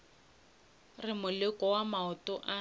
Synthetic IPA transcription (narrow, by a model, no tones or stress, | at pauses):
rɪmʊlɪkɔwamaʊtʊʔa